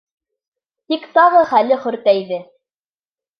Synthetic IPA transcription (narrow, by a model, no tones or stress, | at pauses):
t̪ikt̪ɑʁɤχælɘχɵ̆ɾt̪æjðɘ